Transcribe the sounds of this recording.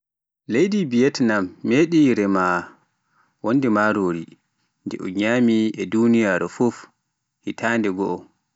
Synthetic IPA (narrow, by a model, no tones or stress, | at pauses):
lejdibijɛtnamːeɗiɾɛma | wonːdɛmaɾoːɾi | ndɛ̰ʔɔɲamiɛdunijaːɾɔfuf | hitʰandɛɡɔʔɔ